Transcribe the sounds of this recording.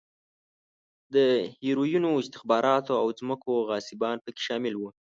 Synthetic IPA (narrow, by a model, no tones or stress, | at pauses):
d̪əhiɾojunoɪst̪ɪxbɑɾʔɑt̪oawd͡zməkoɣɑsɪbɑnpəke̥ʃɑmɪlwu